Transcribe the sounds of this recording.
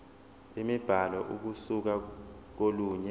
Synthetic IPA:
imib̥ʱalɔʔuk̬usuk̬ak̬oluːɲɛ

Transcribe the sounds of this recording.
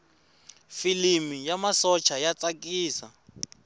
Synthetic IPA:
filimijamasɔt͡ʃʰajat͡sakʼiːsa

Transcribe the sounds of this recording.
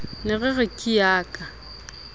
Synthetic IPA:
nɪɣɪɣɪkʼɪjaːkʼa

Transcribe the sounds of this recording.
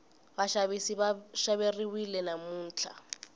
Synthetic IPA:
baʃaβisibaʃaβeriwilɛnamuːn̩ːt͡ɬʰa̰

